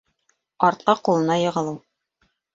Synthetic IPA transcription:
ɒɾt̪̚qɑqulˠɤ̆nɑjɤ̆ʁɤ̆lˠɤw

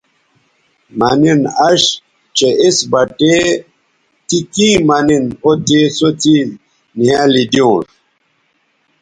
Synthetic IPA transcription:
maninaʃ | t͡ʃeʔisbate | tikĩːmaninotesoti | niãlidiõʃ

